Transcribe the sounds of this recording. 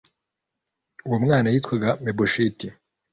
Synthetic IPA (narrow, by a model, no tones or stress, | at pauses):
uwomŋaːnajiːtkwaɡameboʃiti